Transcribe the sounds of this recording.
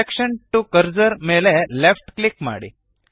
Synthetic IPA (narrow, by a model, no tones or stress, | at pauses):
ekɕəɳʈukəɾd͡zəɾmelɛlefʈklikma̰ɽḛ